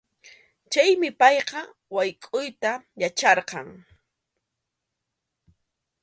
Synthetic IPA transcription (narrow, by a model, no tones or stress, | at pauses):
t͡ʃajmɪpɑjqɑ | wajkʼʊjt̪ajat͡ʃɑɾqɑŋ